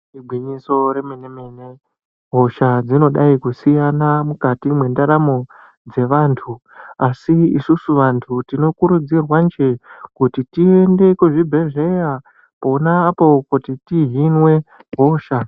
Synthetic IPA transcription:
ibʱwiɲiso̞ɾemenemene | ɦo̞ʃad͡zino̞ɗaikusijanamukatimwe̞ndaɾamo | d͡ze̞ʋaːntʰu | asiisusuʋantʰutino̞kuɾud͡zirwand͡ʒe̞kutitie̞nde̞kuʐibʱe̞ʐe̞ja | ponaːpo̞kutitiɦinwe̞ | ɦo̞ːʃa

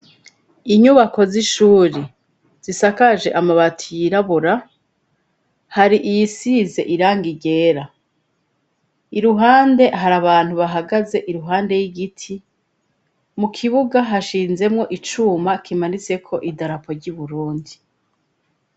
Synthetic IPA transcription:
iɲuβako̞ziʃuːɾe | z̥isakaʒe̞ʔamaβatʰijiɾaβuɾa | haɾiʔijisiːze̞̰ʔiɾaːŋɡiɟe̞ːɾa | iɾuɦaːnde̞ɦaɾaβaːn̥huβaɦaɡaze̞ʔiɾuɦaːnde̞jiɡitʰi | mukʰiβuɡaɦaʃiːnze̞mŋo̞ʔit͡ʃuːmakʰimanit͡se̞kʰo̞ʔidaɾapo̞ɾɟuβuɾuːndi

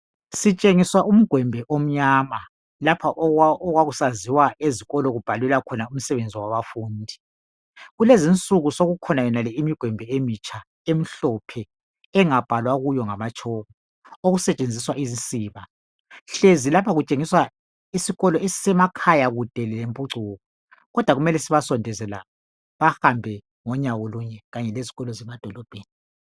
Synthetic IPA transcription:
sit͡ʃʼeŋiswaʔum̩ɡ̥ʱwɛmbʱɛʔom̩ɲama | lapʰaʔʔɔɣwaɣusaziwaeziɣɔlɔɣub̥ʱalɛlakʰɔnaum̩sɛβend͡zʱiwaβafuːndʱi | ɣulezint͡sʼuɣusoɣukʰɔnajɛnalɛimiɡ̥ʱwɛmbʱɛemit͡ʃʰʼa | em̩ɬɔpʰɛ | ɛŋab̥ʱalwaɣujɔŋamat͡ʃʰʼɔɣɔ | oɣusɛt͡ʃʼend͡zʱiswaʔizint͡sʼiːβa | ɬezilapʰaɣut͡ʃʼeŋiswa | isiɣɔlɔesi̥sɛmakʰajaɣud̥ʱɛlɛlempʼuǀʱuːɣɔ | ɣɔd̥ʱwaɣumɛlɛsiβasɔndʱɛzɛlaɔ | βahambʱɛ | ŋɔɲawoluɲɛɣaɲɛleziɣɔlɔzɛmad̥ʱɔlɔb̥ʱeːni

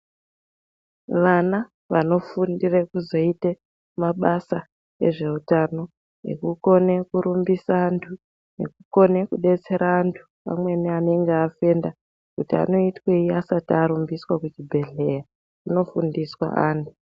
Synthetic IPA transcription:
ʋana | ʋano̞fundirekuzo̞ite | maɓasa | ḛʐe̞utano̞ | ḛkuko̞ne̞kuɾumbisaːntʰu | ne̞̰kuko̞ne̞kuɗe̞t͡se̞ɾaːntʰu̥ | a̰mwe̞niane̞ŋɡeafe̞ːnda | kutia̰no̞itweiasatiaɾumbiswakut͡ʃibʱe̞ɮe̞ja | uno̞fundiswa̰ʔaːntʰu

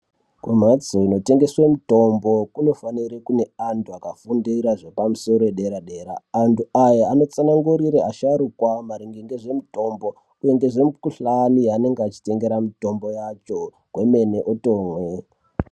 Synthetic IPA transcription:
kwem̤ad͡zoino̞te̞ŋɡe̞swemuto̞mbo̞kuno̞faniɾekune̞antʰuakafundiɾaʐepamuso̞ɾo̞eɗe̞ɾaɗeːɾaːntuajaano̞t͡sanaŋɡuɾiɾeaʃaɾukwamaɾiŋɡeŋɡeʐe̞muto̞mbo̞ | kueŋɡeʐemukuɬanijane̞ŋɡeat͡ʃi̥te̞ŋɡe̞ɾamito̞mbo̞jat͡ʃo̞ | kwe̞me̞ne̞ʔoto̞ːmwe

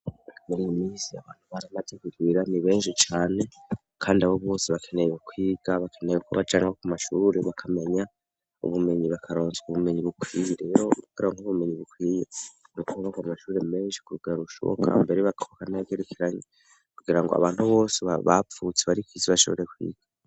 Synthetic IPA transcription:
akameɾiimiːsiaβaːn̥huβaɾamateɡiɾiɾaniβe̞ːnʃit͡ʃaːne̞ | kʰaːndiaβo̞βo̞ːseβakʰe̞nejwukwiːɡ̥aβakʰene̞jekʰo̰βad͡ʒaːŋɡakumaʃuːɾe̞βakʰame̞ɲa | ṵβume̞ɲiβakʰaɾo̞ːnzuβume̞ɲiβukʰwiːjeɾe̞ːɾokɡiɾaŋuβume̞ɲiβukʰwiːjenukuuβakamaʃuːɾe̞me̞ːnʃi̥kuɾuɡaɾuʃoo̰kʰa̰mbe̞ɾeβaɡokanevɡeɾukʰeɾaɲe | kuɡiɾaŋɡoa̰βaːn̥huβo̞ːseβaβa̰p͡fut͡seβaɾikwiːziβaʃo̞̰βo̞̰ɾekwḭːɡ̥a

